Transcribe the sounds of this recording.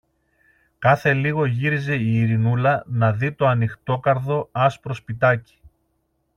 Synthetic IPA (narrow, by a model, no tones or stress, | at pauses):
kɐθe̞liɣo̞ʝiɾize̞iːɾinulɐnɐðit̪o̞ɐnixt̪o̞kɐɾðo̞ɐspɾo̞spit̪ɐci̥